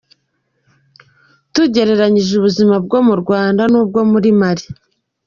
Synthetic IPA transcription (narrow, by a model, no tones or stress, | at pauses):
tuɟe̞ɾe̞ɾaɲiʒuβuzimabɡo̞muɾɡwaːndanub̚ɡo̞muɾimaɾi